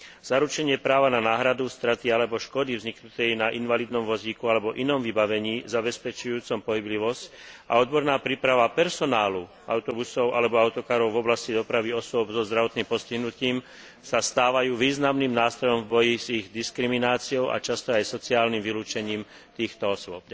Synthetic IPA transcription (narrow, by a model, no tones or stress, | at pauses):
z̥aɾut͡ʃɛɲɪɛpɾaːʋananaːɦɾad̪ust̪ɾat̪ialɛbɔʃkɔd̪ivzɲiknut̪ɛjnaʔinʋaliːd̪nɔmʋɔziːkualɛbɔʔinɔmʋibaʋɛɲiːzabɛspɛt͡ʃujuːt͡sɔmpɔɦibliʋɔsca̰ɔd̪̚bɔɾnaːpɾiːpɾaʋapɛɾsɔnaːlu | a̰ʊt̪ɔbusɔʊʔalɛbɔaʊt̪ɔkaːɾɔʊvɔblascid̪ɔpɾaʋiɔsʊɔbzɔzd̪ɾaʋɔt̪nimpɔsciɦnuciːm | sast̪aːʋajuːʋiːznamnimnaːst̪ɾɔjɔɱvbɔjiziɣd̪iskɾiminaːt͡siɔʊʔa̰t͡ʃast̪ɔajsɔt͡siaːlnimʋiluːt͡ʃɛɲiːm | t̪iːxt̪ɔɔsʊɔp̚